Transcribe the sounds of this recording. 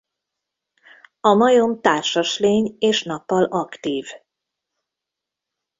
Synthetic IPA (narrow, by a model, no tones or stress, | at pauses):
ɒmɒjomt̪aːrʃɒʃleːɲeːʃnɒpːɒlʔɒkt̪iːv